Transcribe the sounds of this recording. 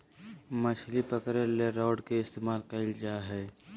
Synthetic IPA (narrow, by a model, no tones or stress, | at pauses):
mɐʃʰlipɐkɾeleɾaːɖkeɪst̪eːmaːlqɛːld͡ʒaːɦɛː